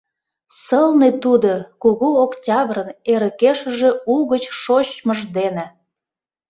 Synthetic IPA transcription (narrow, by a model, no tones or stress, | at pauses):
səlnet̪ud̪okuɣuoktʲɑβrəneɾəkeʃə̆ʒe̽uɣət͡ɕʃot͡ɕməʒd̪enĕ